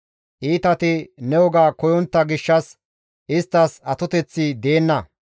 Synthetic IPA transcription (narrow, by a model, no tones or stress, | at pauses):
ʔiːt̪ɐt̪ɪnɛwɔɡaːkɔjɔnt̪ːɐɡɪʃːɐs | ʔɪst̪ːɐsɐt̪ɔt̪ɛt͡sːid̪e̞ːnːɐ